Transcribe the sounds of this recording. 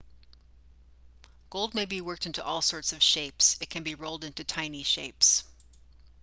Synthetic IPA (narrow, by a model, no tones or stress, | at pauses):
ɡ̥oʊlˠd̚meɪbiwɜ˞k̚tɪ̃ntuʔɔlˠsɔɹtsʌv̥ʃeɪpsɨt̚kʰɨ̃nbiɹoʊlˠdɪ̃ntʉtʰãɪ̃niʃeɪps